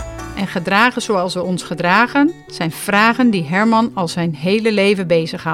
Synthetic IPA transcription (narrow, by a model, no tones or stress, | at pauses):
ʔɛnχədraːχəzowɑlˠsʋəɔnsχədraːχən | z̥ɛjnv̥raːχəndiɦɛɹmɑnɑlˠzɛjnɦejləlejvənbejzəχɦɑ